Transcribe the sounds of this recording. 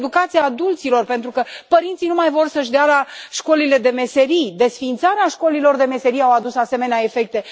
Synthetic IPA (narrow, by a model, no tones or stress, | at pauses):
d̪ukat̪siaːd̪ult̪silo̞rpe̞nt̪ɾukəpəɾint̪sinumajvo̞rsəʃ̬d̪ealaʃko̞lile̞d̪e̞me̞se̞ɾid̪e̞sfint̪saɾeaʃko̞lilo̞rd̪e̞me̞se̞ɾiawad̪usase̞me̞neae̞fe̞k̚t̪e̞